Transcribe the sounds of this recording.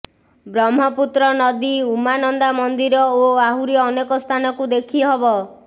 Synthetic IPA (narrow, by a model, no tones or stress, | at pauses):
bɾɔmɦɔput̪ɾɔnɔd̪iumanɔnd̪amɔnd̪iɾɔoaɦuɾiɔnekɔst̪ʰanɔkud̪ekʰiɦɔbɔ